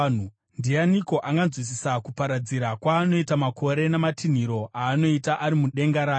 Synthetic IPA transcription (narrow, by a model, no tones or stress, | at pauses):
u | ndijaniko̞ʔaŋɡanzwis̬isakupaɾad͡ziɾakwaːno̞itamakʰo̞ɾe̞namatin̤iɾo̞ʔaːno̞itaʔaɾimuɗe̞ŋɡaɾaː